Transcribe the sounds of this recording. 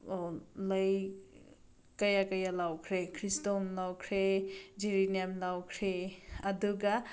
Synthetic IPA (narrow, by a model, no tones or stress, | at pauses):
ləj | kɐjakɐjalawkʰɾekʰɾistomlawkʰɾed͡ʒiɾinamlawkʰɾeɐduɡa